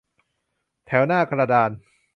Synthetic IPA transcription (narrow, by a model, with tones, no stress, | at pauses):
t̪ʰɛː˩˦wnaː˥˩kʰa˧ɾa˧daː˧n